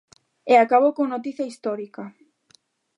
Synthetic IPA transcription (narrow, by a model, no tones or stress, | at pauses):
eakaβowkoŋnot̪iθjaist̪ɔɾika